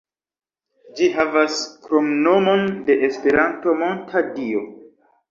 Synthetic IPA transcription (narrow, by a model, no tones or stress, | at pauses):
d͡ʒiɦavaskɾomno̞mo̞nde̞ʔespe̞ɾanto̞mo̞ntʰadio